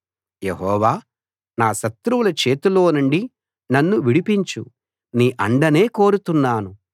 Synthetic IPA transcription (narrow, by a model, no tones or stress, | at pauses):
jeɦɔːʋaː | naːʃɐt̪ɾuwulɐt͡ʃeːt̪ulo̞ːnuɳɖi | nɐnːuʋiɽipiɲt͡ʃu | niːʔɐɳɖɐne̞ːko̞ːɾut̪unːaːnu